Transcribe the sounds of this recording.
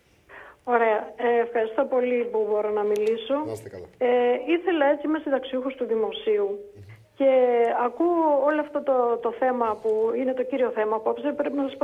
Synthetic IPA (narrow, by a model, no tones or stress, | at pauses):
o̞ɾe̞ɐːfxɐɾist̪o̞po̞lipubo̞ɾo̞nɐmiliso̞eiθe̞lɐe̞t͡simest̪it̪ɐksiuxust̪uðimo̞siu | ce̞ɐkuoloɐft̪ot̪ot̪o̞θe̞mɐpuine̞t̪o̞ciɾio̞θe̞mɐpuɐpspɾe̞pinɐsɐsp